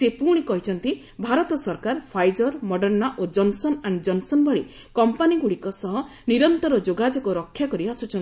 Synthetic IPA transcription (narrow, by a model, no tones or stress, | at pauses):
sepuɽ̃ikɔɦit͡ʃʰɔnt̪i | bʱaɾɔt̪ɔsɔɾkaɾpʰajd͡ʒɔɾmɔɖɔɾnaʔod͡ʒɔnsɔnaɳɖd͡ʒɔnsɔnbɔɭi | kɔmpaniɡuɽikɔsɔɦɔ | niɾɔnt̪ɔɾɔd͡ʒoɡad͡ʒɔkɔɾɔkʰːjakɔɾibasut͡ʃʰɔn